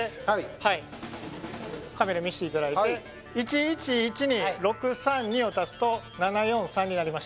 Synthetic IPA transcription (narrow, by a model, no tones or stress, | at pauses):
hai | kame̞ɾamʲiɕi̥t̪e̞it̪ad̪ait̪e̞ | it͡ɕiːt͡ɕiːt͡ɕiɲ̟iɾo̞kɯ̟sãɲ̟ɲio̞t̪at͡sɨ̥t̪o̞ | nanajõ̞ɰ̃sãɲ̟ːinaɾʲimaɕi̥